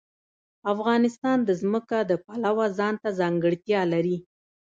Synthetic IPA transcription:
afɣɑnɪst̪ɑnd̪əzməkad̪əpalawazɑnt̪azɑŋɡəɽt̪jɑlaɾi

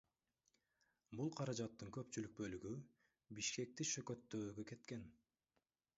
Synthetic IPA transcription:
bulˠqʰɑɾɑd͡ʒɑt̪ːɯŋkø̞pt͡ʃylyk̚bø̞lyɡy | biʃke̞k̚t̪iʃøkø̞t̪ːøːɡøke̞t̪ke̞n

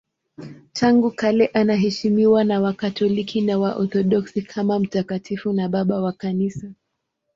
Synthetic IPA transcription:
tʰaŋɡukalɛʔanaɦɛʃimiwanawakatɔlikʰinawaʔɔθɔɗɔksikʰamam̩takatʰifunaɓaɓawakanisa

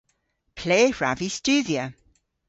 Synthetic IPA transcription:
pʰl̥eːɹavist͡ʃʉːðiə

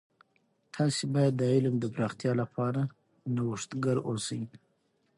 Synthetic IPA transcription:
t̪ʰɑsebɑjad̪ːəɪlmd̪əpɾɑxt̪jɑlapʰɑɾa | nawʊʂt̪ɡaɾosai

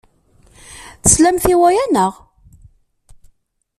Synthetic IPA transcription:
θəslæmθiwæjænəʁ

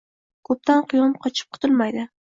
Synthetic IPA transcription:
kʰɵp̚t̪ʰanqʰʊjɒmqʰɒt͡ʃʰɪ̥p̚qʰʊ̥t̪ʰʊlˠmajd̪ɪ

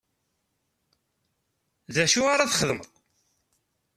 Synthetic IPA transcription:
ðæʃuaɾaθχəðəmðˤ

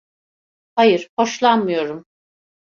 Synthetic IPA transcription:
hajɯɾ̥ho̞ʃlˠanmɯjo̞ɾum

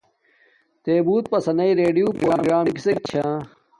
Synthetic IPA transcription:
t̪eːbuːt̪̚pɐsɐnɐiɾeːɖijuːpɾɾaɡɾaːmkisek̚t͡ɕʰa

